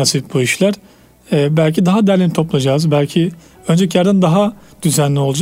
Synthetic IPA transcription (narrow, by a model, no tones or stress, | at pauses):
asifbuiʃlʲæɾ̥ | ɛbælʲcʰid̪aɦad̪æɾlʲinit̪ʰo̞plˠad͡ʒaːzbælʲcʰi | ønd͡ʒɛcʰjaɾd̪and̪aɦad̪̥yzænlʲio̞lˠud͡ʒ